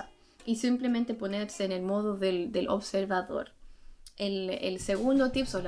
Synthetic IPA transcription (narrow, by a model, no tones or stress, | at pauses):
isimplemẽnt̪e̞po̞neɾseːnelmo̞ðuðeld̪elʔo̰βseɾβaðo̞̰ɾ | elḛlseɣund̪ot̪ipsol